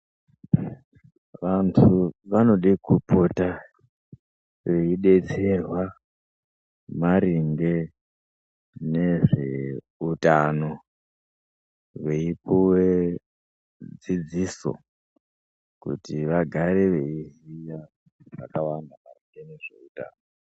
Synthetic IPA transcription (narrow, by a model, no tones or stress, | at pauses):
ʋantʰuʋano̞ɗikupʰota | ʋe̞iɗe̞t͡se̞rwa | maɾiŋɡe̞ | ne̞ʐe̞ | utano̞ | ʋe̞ipuwe | d͡zid͡ziso̞̰ | kṵtiʋaɡʱaɾe̞ʋe̞iɦija | ʐa̰kawandamariŋɡeneʐe̞̰uta̰ːno